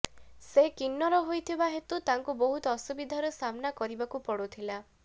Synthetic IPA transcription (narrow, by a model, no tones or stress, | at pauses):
sekinːɔɾɔɦojt̪ʰibaɦet̪ut̪aŋkubɔɦut̪ɔːsubid̪ʱaɾɔsamnakɔɾibakupɔɽut̪ʰila